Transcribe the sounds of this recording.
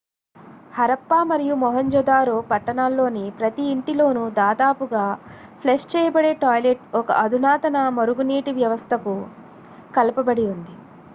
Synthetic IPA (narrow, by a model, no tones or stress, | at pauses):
hɐɾɐpːaːmɐɾijumɔɦɐɲd͡ʒɔːd̪aːɾoːpɐʈːɐɳaːlːo̞ːnipɾɐt̪iːɳʈilo̞ːnud̪aːd̪aːpuɡaːpʰleʂt͡ʃɛːjɐbɐɽe̞ːʈaːjleʈɔkɐ̰ʔɐd̪ʱunaːt̪ɐnɐmɐɾuɡuniːʈiʋjɐʋɐst̪ʰɐku | kɐlɐpɐbɐɽiund̪i